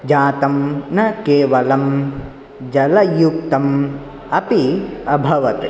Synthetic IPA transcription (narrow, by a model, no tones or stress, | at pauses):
d͡ʒaːt̪ɐmnɐkeːʋɐlɐm | d͡ʒɐlɐjuk̚t̪ɐm | ɐpiɐbʱɐʋɐt̪i